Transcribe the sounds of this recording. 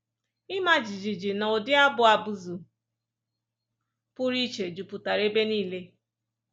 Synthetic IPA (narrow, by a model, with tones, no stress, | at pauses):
ɪ˦ma˦d͡ʒi˨d͡ʒi˨d͡ʒi˨na˨o˨dɪ˦a˦bʊ˨a˨bu˦zu˨ | pʊ˦ɾi˦t͡ʃe˨d͡ʒu˨pu˨ta˨ɾe˦be˦niː˦˨le˦